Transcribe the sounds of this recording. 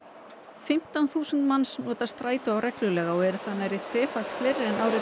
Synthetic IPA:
fɪm̥t̪anθuːsʏnt̪mansnɔːt̪ast̪ɾaːjt̪ʏawɾɛklʏlɛːɣaɔɛɾʏθanːajɾɪt̪ʰvɛːfajlt̪flejɾɪɛnaːwɾɪ

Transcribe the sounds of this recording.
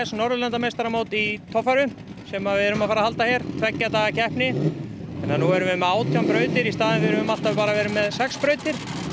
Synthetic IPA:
ɛsnɔɾðʏlɛnt̪amejst̪aɾamoːwt̪it̪ʰɔfaɾʏmsɛmavɪðʏɾʏmafaːɾahalt̪açjɛɾ̥t̪ʰvɛcːat̪aːɣacʰɛhpnɪθɛnːanuɛɾʏvɪmaːwt̪ʰjampɾœːɥt̪ɪɾist̪aːðɪnvɪðʏɾʏvʏmal̥t̪avɪpaːɾavɛːɾʏmːɛðsɛkspɾœːɥt̪ɪɾ̥

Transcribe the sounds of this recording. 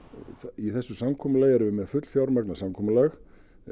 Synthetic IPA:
θiθɛsːʏsamkʰɔmalɛːjɛɾvɪmɛðfʏt̪l̥fjawɾmɛknasamkʰɔːmʏlax

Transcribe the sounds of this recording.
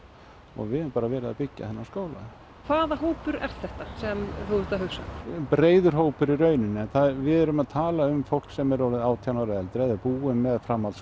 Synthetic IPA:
ɔ̰ɣvɪðɛmpaːɾavɛːɾɪðapɪcːa̰θɛnːaskoːwla̰ð | kʰvaːðaɦoːwpʏɾɛ̰ɾ̥θɛht̪asɛmθut̪aɦʏwsa̰pɾeːjðʏɾ̥ɦoːwpʏɾiɾœːɥnɪnːɪɛnθaðvɪðɛɾʏmaðt̪ʰaːlaʏmfowl̥ksɛmɛɾoːlɪðaːwt̪ʰjanaɾɛlt̪ɾɛðɛɾpuːʏmːɛðfɾamːas

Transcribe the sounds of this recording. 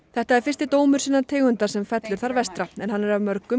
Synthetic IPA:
θɛht̪aɛɾ̥fɪrst̪ɪt̪oːwmʏɾ̥siːnat̪ʰeːɣʏnt̪ḁsɛmfɛt̪lʏɾ̥θaɾvɛst̪ɾaɛnhanːɛɾavmœɾkʏ

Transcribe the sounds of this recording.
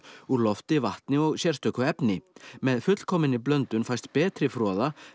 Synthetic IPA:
ulɔft̪ɪvaht̪nɪɔɣsjɛr̥st̪œkʏɛpnɪmɛðfʏt̪l̥kʰɔːmɪnːɪplœnt̪ʏnfaj̥st̪pɛːt̪ɾɪfɾɔːða

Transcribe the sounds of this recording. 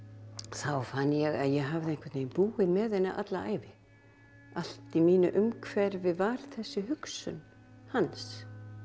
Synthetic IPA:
θawfanːjɛɣaðjɛɦavðɪɛŋ̥kvɛɾt̪neːjmpuːɪðmɛðɛnːaʔa̰t̪laa̰ːjvɪ | al̥t̪imiːnʏʔʏmkʰvɛɾvɪvaɾ̥θɛsːʏɦʏksʏ̰n | hans

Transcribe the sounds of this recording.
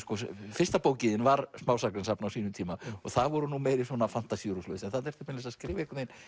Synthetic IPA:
skɔfɪrst̪apoːwcɪðɪnvaɾsmaːwsakɾɪnsapnawsiːnʏmt̪ʰiːmaɔ̰ɣθavɔɾʏnumejɾɪswɔnafan̥t̪asijuɾuslœːsɛnθaðɛɾ̥t̪ɛhpmɪnlɛsaskɾɪːvaɪhkʏejn

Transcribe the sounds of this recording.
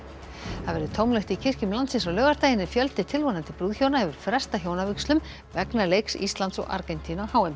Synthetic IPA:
θaðvɛɾðʏt̪ʰowmlɛht̪icʰɪr̥cʏmlant̪sɪnsɔwlœːɣaɾt̪aːjɪnːɪfjœlt̪ɪt̪ʰɪlvonant̪ɪpɾuːðçjownahɛvʏɾ̥fɾɛ̥st̪açjoːwnavʏkslʏm | vɛknalejksḭst̪lant̪sɔ̰ɣa̰ɾkɛnt̪ʰinahaːwɛm

